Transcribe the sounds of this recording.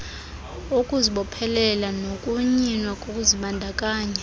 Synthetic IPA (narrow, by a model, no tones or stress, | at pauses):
ukʼuziɓɔpʰɛlɛlanokʼuɲinwakʼokʼuziɓandʱakʼaːɲɛ